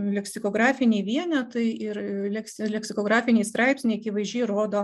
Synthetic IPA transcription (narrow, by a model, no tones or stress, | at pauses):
lʲɛksʲɪkoːɡɾɑːfʲɪnʲeːʋʲiɛnʲɛt̪ɐɪɪrlʲɛksʲɪlʲɛksʲɪkoːɡɾɑːfʲɪnʲeːst̪ɾɑɪpʲsʲnʲɛɪɐkʲiʋɐɪzʲʒʲɛjɾoːd̪oː